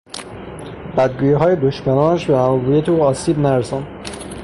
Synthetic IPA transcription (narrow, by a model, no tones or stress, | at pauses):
bæd̪̚ɡuːjiɦɒːjed̪oʃmænɒːnæʃbemæmːɡuːjet̪ʰoɒːsiːbnæɾesɑːnd̪̥